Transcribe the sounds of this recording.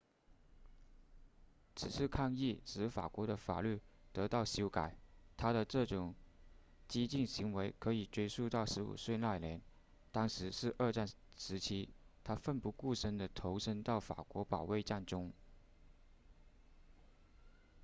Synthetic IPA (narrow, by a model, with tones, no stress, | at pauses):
t͡sʰɻ̩˨˩ʂɻ̩˥˧kʰɑ˥˧ŋi˥˩ʂɻ̩˧˥fa̰˨˩kwɔ˧˥ɾə˧fa̰˨˩ly˥˩t̪ɤ˧˥t̪ɑ˥˩ʊɕjo˥ʊka˨˩ɪt̪ʰa˥ɾə˨ʈ͡ʂɤ˥˩ʈ͡ʂʊ˨˩ŋ | t͡ɕi˥t͡ɕi˥˩nɕi˧˥ŋwe˧˥ɪkʰɤ˧˥i˨˩ʈ͡ʂwe˥ɪʂu˥˧t̪ɑ˥˩ʊʂɻ̩˧˥ṵ˨˩swe˥˧ɪla˥˩ɪljɛ˧˥n | t̪ɑ˥ŋʂɻ̩˧˥ʂɻ̩˥˧ʔə˞˥˧ʈ͡ʂa˥˩n | ʂɻ̩˧˥t͡ɕʰi˥t̪ʰa˥fə˥˧npu˧˥ku˥˩ʂə˥nd̪ə˨t̪ʰo˧˥ʊʂə˥ŋt̪ɑ˥˩ʊfa̰˨˩kwɔ˧˥pɑ˨˩ʊwe˥˧ɪʈ͡ʂa˥˩nʈ͡ʂʊ˥ŋ